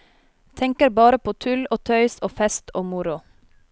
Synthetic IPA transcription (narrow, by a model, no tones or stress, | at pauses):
t̪ʰɛŋkəɾbɑːɾəpʰoːt̪ʰʉloːt̪ʰœʏsoːfɛst̪ʰoːmʊɾʊ